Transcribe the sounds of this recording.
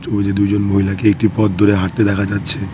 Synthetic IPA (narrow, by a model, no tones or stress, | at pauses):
t͡ʃobed͡ʑed̪ud͡ʑonmoɦilakeek̚ʈipɔt̪̚d̪oɾeɦaʈt̪ed̪ɛkʰad͡ʑatːɕʰe